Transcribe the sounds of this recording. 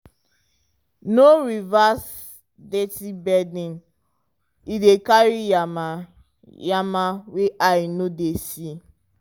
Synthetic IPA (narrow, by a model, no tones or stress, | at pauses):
noɹivas | detibɛdĩn | idekaɹiam | jamaweʔajnodesi